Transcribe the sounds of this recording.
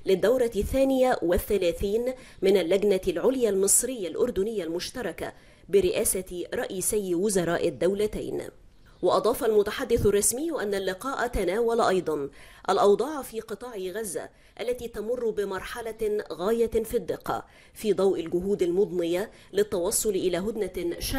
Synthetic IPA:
lɪd̪ːawɾˤɑθːæːnɪjawaθːælæːθiːnmɪnalːæɡnalʕʊljalmɨsˤɾɪjːalʔʊɾd̪ʊnɪjːalmʊʃt̪ɑɾˤɑka̰ | bɪɾɪʔæːsaɾˤɑʔiːsɪjwʊzɑɾˤɑːʔɪd̪ːawlat̪a̰jn | wɑʔɑd̪ˤɑːfɑlmʊt̪aħad̪ːɪθʊrˤːɑsmɪjːʊʔanːalːɪqɑːʔt̪anæːwalʔɑjd̪ˤɑnʔalʔɑwd̪ˤɑːʕfiːqɨt̪ˤɑːʕiɣazːa̰ | ʔalːæt̪iːt̪amʊrˤːʊbɪmɑɾˤħɑlaɣæːjafid̪ːɪqːɑ̰ | fiːd̪ˤɑwʔɪlɡʊɦuːd̪almʊd̪ˤnɨja | lɪt̪ːɑwɑsˤːʊlʔɪlæːɦʊd̪naʃa

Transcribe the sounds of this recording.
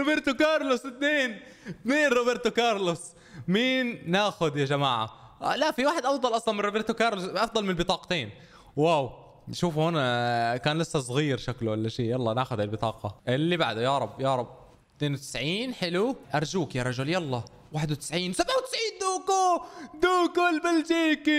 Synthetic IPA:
ɾobɪɾt̪ʊkɑːɾˤlʊsɪt̪neːn | ɪt̪neːnɾˤoːbɪɾt̪ʊkɑɾˤlʊs | miːnːaːxʊd̪jad͡ʒamaːʕa̰ | laʔfiwaːħɪd̪ʔɑfd̪ˤɑlʔɑsˤlɑnmɪnɾobɪɾt̪ʊkɑːɾˤlʊsʔɑfd̪ˤɑlmɪnɪlbɨt̪ˤɑːqt̪eːn | waːw | ʃuːfhoːnkaːnlɪsːasˤɣiːɾʃaklʊʔalːaʃiːjɑlˤːɑnaːxʊd̪ʕalbɪt̪ˤɑːqɑʔɪlːibaʕd̪ajɑɾˤɑbːjɑːɾˤɑb̚ | t̪neːnwʊt̪ɪsʕiːnħɪluʔɑɾˤd͡ʒuːkjaɾˤɑʒʊljɑlˤːɑ | waːħɪd̪wt̪ɪ̥sʕiːnsabʕawt̪ɪ̥sʕiːnd̪uːkod̪uːkulbɪld͡ʒiːki

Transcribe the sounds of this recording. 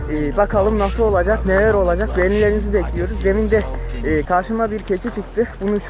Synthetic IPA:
ɛːbakʰalˠɯmnasɯlˠo̞lˠad͡ʒakne̞læɾo̞lˠad͡ʒak̚beɾlʲilʲe̞ɾinizibeclʲijo̞ɾuzd̪e̞mind̪ɛːkʰaɾʃɯmabiɾcʰe̞t͡ʃʰit͡ʃʰɯk̚t̪ʰɯbunuʃ

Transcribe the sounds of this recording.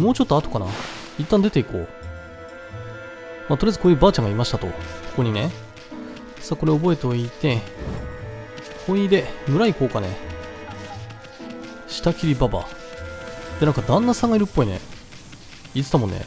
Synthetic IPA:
mo̞ːt͡ɕo̞t̪ːo̞at̪o̞̥kana̰ | it̪ːãnd̪e̞t̪e̞iko̞ː | maːt̪oɾʲejazɨ̥koːjɯ̟baːt͡ɕãŋɡaimaɕi̥t̪at̪o̞koko̞ɲ̟ine | saːko̞ɾe̞o̞bo̞e̞t̪o̞it̪e̞ | kʰoid̪e̞mɯ̟ɾaiko̞ːkane | ɕi̥t̪akʲiɾʲibaba̰ | d̪̥e̞nãŋkad̪ãnːasãŋɡaiɾɯpːo̞ine̞̰ | it͡sɨ̥t̪amonːḛ

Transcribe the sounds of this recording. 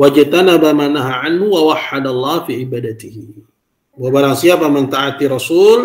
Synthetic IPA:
wad͡ʒt̪anabamaːnaɦaʕanhuwawaħːad̪alˤːɑːfiʕibaːdat̪ihi | wabaɾaŋsiapamɪnt̪aʕat̪irˤɑsuːl

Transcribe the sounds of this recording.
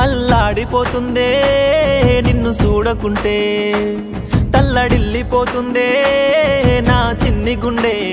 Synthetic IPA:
ɐlːaːɽipoːt̪und̪eː | ninːusuːɽɐkuɳʈeː | t̪ɐlːɐɽilːipoːt̪und̪eː | naːt͡ʃinːiɡuɳɖeː

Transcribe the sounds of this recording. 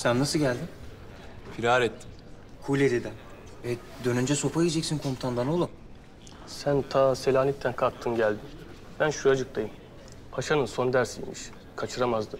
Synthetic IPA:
sænːasɯɟælʲd̪ɪm | pʰiɾaːɾɛt̪ːim | kʰulʲed̪ed̪ɪ | ɛ | d̪ø̞nynd͡ʒɛso̞paijed͡ʒɛcsinkʰo̞mt̪ʰand̪ano̞lˠu | sænt̪ʰaːselʲaːnit̪ʰːænkʰak̚t̪ʰːɯnɟælʲd̪ɪ | b̥ænʃuad͡ʒɯk̚t̪ʰajɯm | pʰaʃanɯnso̞nd̪æɾsḭjmiʃ | kʰat͡ʃʰɯɾamazd̪ɯ

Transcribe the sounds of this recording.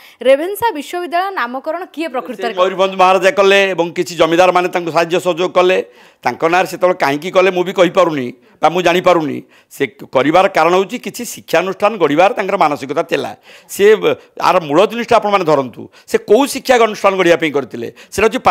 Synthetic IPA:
ɾebʱensabiʃwɔbid̪ːaɭɔɔnamɔkɔɾɔɽ̃ɔkiepɾɔkɾit̪ɔmowɾibʱɔnd̪ʱumɔɦaɾad͡ʒakɔleːbɔŋkit͡ʃʰid͡ʒɔmid̪aɾɔmanet̪aŋkusad̪jɔsɔd͡ʒoɡɔkɔle | t̪aŋkɔnaɾset̪ebeɭekaɦĩk̬ikɔlemũbikɔɦipaɾuni | bamũd͡ʒaɽ̃ipaɾunḭ̃ | sekɔɾibaɾɔkaɾɔɽ̃ɔɦut͡ʃʰikit͡ʃʰisikʰːjaɔnusʈʰanɔɡɔɽibaɾt̪aŋkɔɾɔmanɔsikɔt̪at̪ela̰ | sea̰ɾmuɭɔt̪nisʈiapɔɽ̃ɔmaned̪ʱɔɾɔnt̪ṵ | sekoũsikʰːjaɡɔnusʈʰanɔɡɔɽibapaĩkɔɾit̪ʰilḛseʈaut͡ʃʰip

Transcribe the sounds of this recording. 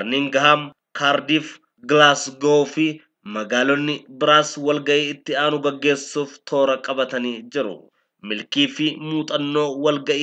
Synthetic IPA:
ɐɾniːŋɡɐɦaːm | kʰaːɾd̪iːf | ɡɪlaːsɡofɪ | mɐɡaːlɔnːɪbɪɾaːswɐlɡɐʔiːɪt̪ːɪaːnʊɡɐɡːe̞ːsːuːft̪ʰo̞ːɾɐkʼɐbɐt̪ɐniːd͡ʒɪɾʊ̰ | mɪlkiːfɪmuːt̪ʼɐnːo̞ːwɐlɡɐʔiː

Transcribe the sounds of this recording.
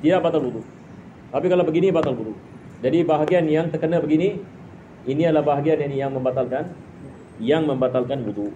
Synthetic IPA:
t̪idaʔbat̪alwuduʔ | t̪apikalawbəɡinibat̪alwuduʔ | d͡ʒadibaɦaɡianjaŋt̪ərkənabəɡini | iniadəlahbaɦaɡianinjaŋmə̃mbat̪alkan | jaŋmə̃mbat̪alkanwuduʔ

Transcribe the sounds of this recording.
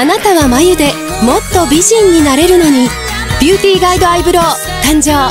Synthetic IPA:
anat̪aβamajɯd̪e̞ | mo̞t̪ːo̞bʲiʑĩɲ̟ːinaɾe̞ɾɯ̟no̞ɲ̟i | b̥ʲjɯːt̪ʲiːɡaid̪o̞aibɯ̟ɾo̞ː | t̪ãɲ̟d͡ʑoː

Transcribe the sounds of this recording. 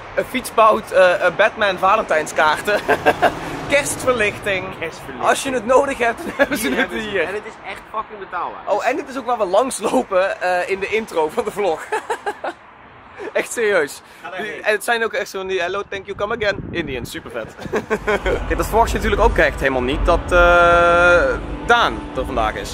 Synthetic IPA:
əfitsbawtəbɛtmɛnvaːləntɛjnskaːrtə | kɛstfəɹlɪxtɪŋsɑlˠsjənətnowdəxɦɛp̚td̥ɑnɛbəzənətiːrətɪsɛxtfɑkɪŋbətaːlˠba̰ʔowɛndɪtɪsowkʋaːʋəlɑŋslowpəəɪndəɪntrowvɑndəvlɔx | ɛxtsɪːriøɥs | dɛnətsɛjnowkɛxtsɑndiɦɛlowtɛŋkjukʌməɡɛnɪndiənsypəɹvɛt | kɛdɑtfəɹʋɑxtjənatyːɹləkowkɛxtɦeləmalˠnit̚dɑtə | daːntəɹvɑnda̰ːχɪ̰s

